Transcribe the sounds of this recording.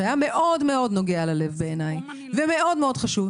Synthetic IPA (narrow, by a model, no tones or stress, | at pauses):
ajame̞ʔo̞dme̞o̞dno̞ɡealale̞vbe̞ːnaj | veme̞ʔo̞dmeo̞dχaʃuv